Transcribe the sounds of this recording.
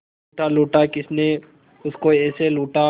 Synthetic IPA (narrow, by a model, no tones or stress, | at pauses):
ʈaluːʈakɪsne | ʊskoɛːseluːʈa